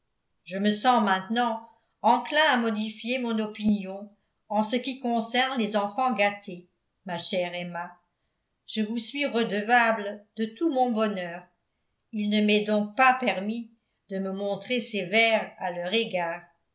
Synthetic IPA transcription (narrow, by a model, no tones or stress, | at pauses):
ʒəməsɑ̃mɛ̃t̪nɑ̃ | ɑ̃klɛ̃amɔd̪ifjemɔ̃nɔpinjɔ̃ | ɑ̃səkʲikɔ̃sɛʁnlezɑ̃fɑ̃ɡat̪ʰe | maʃɛʁɛma | ʒ̥əvusɥiʁəd̪əvabld̪ət̪umɔ̃bɔnœːʁ | ilnəmɛd̪ɔ̃k̚papɛʁmi | d̪əməmɔ̃t̪χesevɛʁalœʁeɡaːʁ